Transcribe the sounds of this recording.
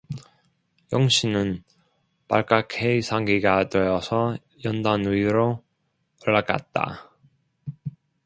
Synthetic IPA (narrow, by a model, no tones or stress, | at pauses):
jʌŋɕʰinɯn | pa̰ɭk͈akʰeisʰaŋɡiɡadʌjʌsʰʌ | jʌndanuiɾo | ʌɭːak͈a̰t̚t͈a̰